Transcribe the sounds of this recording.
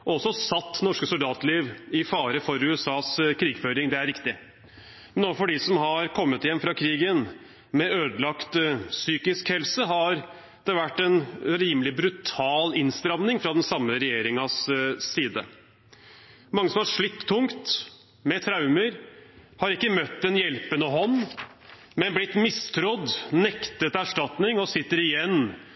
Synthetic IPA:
ɔɔsːɔsɑt̪ːnɔʂkəsʊld̪ɑːt̪liːʋɪfɑːɾəfɔɾʉːɛsɑːskʰɾiːɡføːɾɪŋd̪ɛæɾɪkt̪ɪ | mɛnɔfɔɖɪsɔmɦɑɾkʰɔmːət̪ɪjɛmːfɾɑkʰɾiːɡən | mɛøːd̪əlɑkt̪syːkɪskhɛlsəɦɑɾ | d̪̥ɛʋæʈːɛnɾiːmlɪbɾʉt̪ʰɑːlɪnst̪ɾɑmnɪŋfɾɑd̪ɛnsɑmːəɾɛjeːɾɪŋɑsːiːd̪ə̰ | mɑŋːəsɔmhɑʂɭɪt̪ːt̪ʰːʊŋkt̪ | mɛt̪ʰɾaʉməɾhɑɾɪkːəmœt̪ːd̪ɛnjɛlpənəɦɔnː | mɛnblɪt̪mɪst̪ʰɾɔd̪nɛkt̪ət̪æʂʈɑt̪nɪŋɔsɪt̪ːəɾɪjɛnː

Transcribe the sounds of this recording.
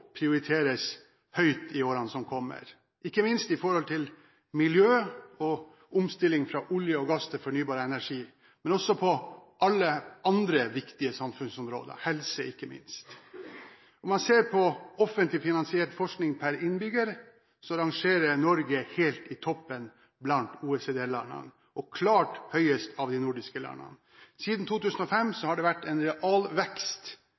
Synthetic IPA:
pʰɾɪʊɾɪt̪ʰeːɾəs | hœʏt̪ɪoːɾɑnsɔmkʰɔmːə̰ɾ | ɪkːəmɪnst̪ɪfɔɾhɔlt̪ʰɪl | mɪljøːɔ | ʊmst̪ɪlːɪŋfɾɑːʔʊljəɔɡɑst̪ʰɪfɔɳyːbɑːɾəɛnæʂiː | mɛnɔsːɔpʰɔʔɑlːəʔɑnd̪ɾəʋɪkt̪ɪəsɑmfʉnsɔmɾo̰ːd̪ə̰hɛlsəɪkːəmɪ̰nst̪ | ɔmɑnseːɾpʰɔɔfənt̪lɪfɪnɑnsɪɛːʈfɔʂknɪŋpʰæɾɪnbʏɡəɾə | sɔɾɑŋʂeːɾənɔɾɡəheːlt̪ɪt̪ʰɔpːən | blɑnt̪uːɛseːd̪eːlɑ̰nə̰n | ʔɔkʰlɑːʈhœʏəst̪ʰɑʋd̪ɪnʊɖɪskəlæ̰nə̰n | siːd̪n̩t̪ʰuːt̪ʉːsən̩ɔfɛmːsɔhɑɖɛʋæʈːɛnɾɛʔɑːlʋɛkst̪

